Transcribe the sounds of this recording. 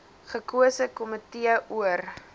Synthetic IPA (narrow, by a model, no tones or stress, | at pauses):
χəkuəsəkɔmətiəʔuər